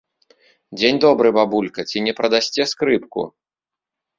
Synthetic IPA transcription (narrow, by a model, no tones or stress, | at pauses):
d͡zʲenʲd̪ɔbɾɨbabulʲkɐt͡sʲinʲɛpɾɐd̪asʲt͡sʲɛskɾɨp̚kṵ